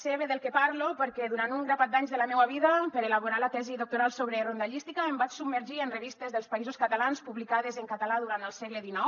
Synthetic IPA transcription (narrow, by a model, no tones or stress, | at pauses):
seβeðəlˠkepaɾlopəɾkɛðuɾant̪uŋɡɾapat̪d̪aɲzðəlamɛwaβ̞iðapəɾelaβoɾalat̪ɛziðok̚t̪uɾalˠsoβɾerond̪aʎist̪ikaembat͡ʃsub̚məɾʒiənreβist̪ezðəlˠspaizoskat̪alanspuβlikaðezəŋkat̪alaðuɾant̪əlˠsɛɣləðinɔw